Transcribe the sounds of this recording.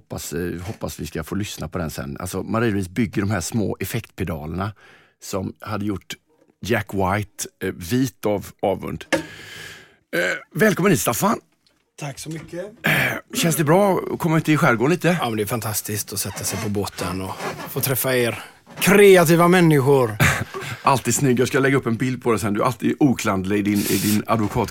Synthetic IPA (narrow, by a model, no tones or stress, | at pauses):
pːashɔpːasvɪskafoːlʏsnapʰɔd̪ɛnsɛ̰nːʔa̰lsɔmaɾiːviːsbʏɡːəɖɔmɦæːʂmo̰ːʔɛfɛkt̪pʰɛd̪ɑ̰ːlənɳa | sɔmhad̪ːəjʊʈː | jækːwajt̪viːt̪avɑːvɵ̰nd̪ | vɛːlkɔmənhiːt̪st̪afːan | t̪ʰaksɔmʏkːə | ɕɛnsd̪ɛbɾɑ̰ːkʰɔmːaɪʉnt̪ɪɧæɾɡoːnliːt̪əːmɛnd̪ɛfant̪ʰast̪ɪskt̪ɔsɛt̪ʰːasɛjpʰɔboːt̪ʰənɔfoːt̪ʰɾɛfːaeːɾ | kʰɾeat̪iːvamɛnːɪɧʊɾ | ʔalt̪iːd̪snʏɡːjɑskalɛɡːaɵpːɛnbɪld̪̚pʰɔd̪ɛsɛnd̪ɵæ̰ʔa̰lt̪iːd̪ʔuːkʰland̪lɪɪd̪ɪnʔɪ̰d̪ɪna̰d̪vʊkʰɑːt̪